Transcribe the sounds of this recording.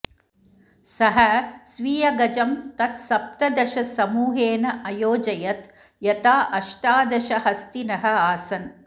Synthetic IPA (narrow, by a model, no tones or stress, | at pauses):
sɐɦɐsʋiːjɐɡɐd͡ʒɐmt̪ɐt̪sɐp̚t̪ɐd̪ɐʃɐsɐmuːɦeːnɐʔɐjoːd͡ʒɐjɐt̪ | jɐt̪aːʔɐʃʈaːd̪ɐʃɐɦɐst̪inɐɦɐ̆aːsɐn